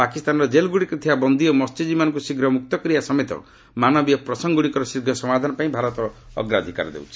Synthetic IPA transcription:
pakist̪anɾɔd͡ʒelɡuɽikut̪ʰibabɔnd̪iɔmɔst͡ʃid͡ʒimanɔŋkusiɡʱɾɔmuk̚t̪ɔkɔɾiasɔmet̪ɔ̰ | manɔbijɔpɾɔsɔŋɡuɽikɔɾɔsiɾɡʱɔsɔmad̪ʱanɔpaĩbʱaɾɔt̪ɔɔ̰ɡɾad̪ʱika̰ɾd̪ḛwt͡ʃʰi̥

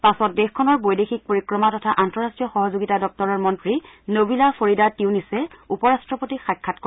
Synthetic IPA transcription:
pasɔt̚dɛxkʰɔnɔɹbojdexik̚poɹikɹɔmatɔtʰaʔantɔɹastɹijɔxɔɦɔzoɡitadɔk̚tɔɹɔɹmɔntɹinobilapʰoɹidatiwnisɛupɔɹastɹɔpotixajkʰːatkɔ

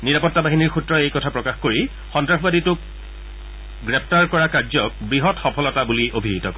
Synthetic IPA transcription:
niɹapɔtːabaɦiniɹxutɹɔejkɔtʰapɹɔkaxkoɹi | xɔntɹaxbaditʊk̚ | ɡɹɛp̚ʰtaɹkɔɹakaɹzɔk̚bɹiɦɔtxɔpʰɔlɔtabuliʔobʱiɦitɔkɔ

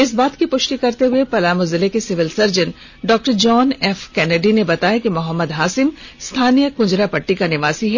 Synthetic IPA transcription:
ɪsbaːt̪kipʊʃʈikɐɾt̪eɦʊepɐlaːmʊzɪlekesɪʋɪlsɐɾd͡ʒən | ɖɔːk̚ʈəɾd͡ʒɔːnɛːfkɛːneɖinebɐt̪aːjekemʊɦəmːəd̪ɦaːsɪmst̪ʰaːnijəkʊ̃d͡ʒɾapɐʈːikanɪʋaːsiɦɛː

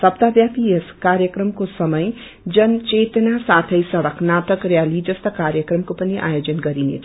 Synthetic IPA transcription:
sʌpt̪abjapieskaɾjəkɾʌmkosʌmʌj | d͡zʌnt͡ʃet̪nasat̪ʰəjsʌɽəkʰnat̪ʌkɾjalid͡zʌst̪ʌkaɾjəkrʌmkopʌniʔa̰jod͡zʌnɡʌɾinḛt͡sʰ

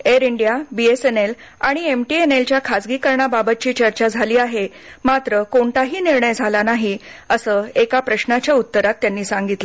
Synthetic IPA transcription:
eɾiɳɖjabiesenel | aɽ̃iemʈienelt͡ɕjakʰad͡zɡiːkəɾɳababət̪̚t͡ɕiːt͡ɕəɾt͡ɕad͡zʱaliːaɦe | mat̪ɾəkoɳt̪aɦiːniɾɳəjd͡zʱalanaɦiəsəːekapɾəɕnat͡ɕjaut̪ːəɾat̪ːjanːiːsãŋɡit̪lə

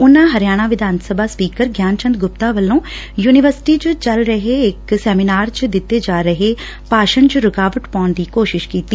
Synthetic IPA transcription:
ʊnãːɦəɾɪjaːɽ̃aːʋɪd̪ʱaːnsəbaːspiːkəɾɡjaːnt͡ʃə̃nd̪ɡʊpt̪aːʋəlːõː | juːnɪʋəɾsʈiːt͡ʃʊt͡ʃəlɾəɦeɪksɛːmɪnaːɾt͡ʃd̪ɪt̪ːeːd͡ʒaːɾəɦeː | paːʃənt͡ʃɾʊkaːʋəʈpaːɳd̪iːkoːʃɪʃkiːt̪ːiː

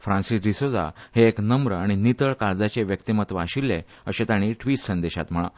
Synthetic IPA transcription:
fɾãnsisɾisod͡za̰heːknəmɾəaɽ̃init̪əɭkaɾd͡zat͡ɕeʋjək̚t̪imət̪ʋaɕilːe | əɕet̪aɽ̃iʈʋiʈsənd̪eɕa̰t̪m̤əɭã̰

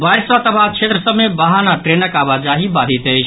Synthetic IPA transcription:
baɾsat̪əbʱat͡ʃʰet̪ɾəsəbmebaɦanaʈɾenəkabad͡ʒaɦibad̪ʱit̪ət͡ʃʰ

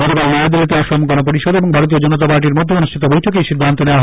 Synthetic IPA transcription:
ɡ̥ɔt̪ʰokalnaed̪ilet̪aʃɔmukonopoɾiʃɔd̪eboŋbʱaɾot̪̬iod͡ʑɔnot̪apaɾʈiɾmod̪ʱːeonuʃʈʰit̪obojʈʰokejʃid̪ʱːant̪oneoaɦ

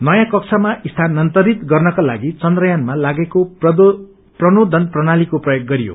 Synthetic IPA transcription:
nʌjãkʌkt͡sʰʌmaʔist̪ʰanːʌnt̪ʌɾit̪ɡʌrnʌkalaɡit͡sʌnd̪rʌjanmalaɡeko | prʌnod̪ʱʌnprʌnalikoprʌjoɡ̚ːʌɾijo̰

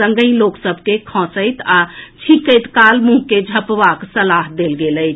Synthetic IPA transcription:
ə̃ŋɡəɪloksəbʱkekʰɔ̃səjt̪at͡ʃʰĩkəjt̪kalmũɦked͡ʒʱəpbaksəlaɦd̪elɡeləjt͡ʃʰ

